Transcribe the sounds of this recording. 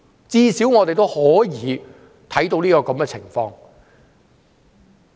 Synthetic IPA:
t͡siː˧si˨˥wŋɔː˨˧t̪e˨jt̪o˥whɔː˨˥jiː˨˥ | t̪ʰɐ˨˥jt̪o˧wliː˥kɔː˧kɐ˨˥mkɛ˧t͡sʰɪ˨˩ŋfɔː˧ŋ

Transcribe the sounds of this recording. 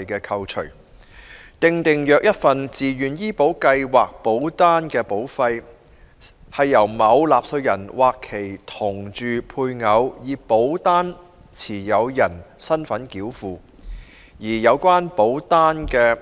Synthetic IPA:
jkɛː˧kʰɐ˧wt͡ʃʰɵ̰˨˩ɥ | t̪ɪ˨ŋt̪ɪ˨ŋjœː˨k̚jɐ˥t̚fɐ˨nt͡siː˨˩jyː˨˩njiː˥po˨˥wkɐ˧jwaː˨k̚po˨˥wt̪aː˥nkɛː˧po˨˥wfɐ˧j | hɐ˨jːɐ˨˩wmɐ˨˧wlaː˨p̚sɵ˧jɐ˨˩nwaː˨kʰːe˨˩jt̪ʰʊ˨˩ŋt͡ʃyː˨pʰuː˧jŋɐ˨˧wjiː˨˧po˨˥wt̪aː˥n | t͡sʰiː˨˩jɐ˨˧wjɐ˨˩nsɐ˥nfɐ˨˥nkiː˨˥wfuː˨˧ | jiː˨˩jɐ˨˧wkʷaː˥npo˨˥wt̪aː˥nkɛː˧

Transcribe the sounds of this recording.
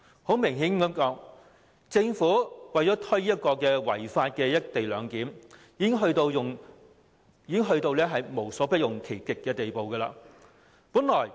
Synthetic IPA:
ho˨˥wmɪ˨˩ŋɦiː˨˥nkɐ˨˥mkɔː˨˥ŋ | t͡sɪ˧ŋfuː˨˥wɐ˨˩jt͡sɔː˨˥t̪ʰɵ˥jjɐ˥t̚kɔː˧kɛː˧wɐ̰˨˩jfaː˧t̚kɛː˧jɐ˥t̚t̪e˨jlœː˨˧ŋkiː˨˥mjiː˨˧kɪ˥ŋɦɵ˧t̪o˧wjʊ˨ŋ | jiː˨˧kɪ˥ŋɦɵ˧ɥt̪o˧wlɛː˥ɦɐ˨jmo˨˩wsɔː˨˥pɐ˥t̚jʊ˨ŋkʰe˨˩jkɪ˨kkːɛː˧t̪e˨jpo˨wkɐ˧la̰ː˧ | puː˨˥nlɔː˨˩j

